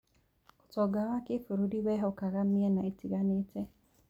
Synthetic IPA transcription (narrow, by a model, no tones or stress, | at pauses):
u̥tɔɡawakifuɾudiwɛɦɔkaɣamiɛnaitiɣanetɛ